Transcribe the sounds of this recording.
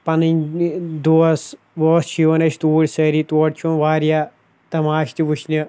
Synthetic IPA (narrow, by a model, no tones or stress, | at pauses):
pɐnɨnʲd̪oːs | ʋoːst͡ʃʰiʋɐnɐʃt̪uːɽʲsɐɾit̪oːʈt͡ʃʰunʋaːɾija | t̪ɐmaːʃt̪iʋuʃnɐ